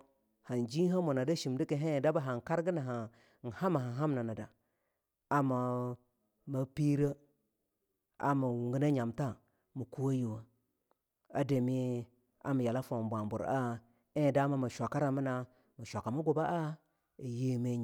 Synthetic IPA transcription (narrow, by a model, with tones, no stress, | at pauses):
ha˨nd͡ʒi˦ɦa˦mo˨na˨da˦ʃi˨mdi˦ki˨ɦe˦˨da˦ba˦ɦa˨ŋ˨ka˦ɾɡə˦na˨ɦa˨ | n̩˨ha˦ma˨ɦa˨ɦa˦mna˨na˨da˨ | a˨ma˨ | mə˦pi˦ɾə˦ | a̰˨ma˨wu˨ŋɡə˦na˦ɲa˨mta˦ | mu˨ku˦wa˦ji˨wa˨ | a˨de˨mi˦ | a̰˨mi˨ja˨la˦fo˨bʷa˨mbu˨ɾa˦ | e˦˨da˦ma˦ma˨ʃʷa˨ka˦ɾa˨mə˦na˨ | mə˨ʃʷa˨kːa˨ma˦ɡo˨ba˦ʔa˦ | i˨je˦˨me˦˨